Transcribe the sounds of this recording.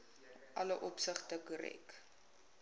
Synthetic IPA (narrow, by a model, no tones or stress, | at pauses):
ʔɐləʔɔpsəχtəkəɾɛ̰k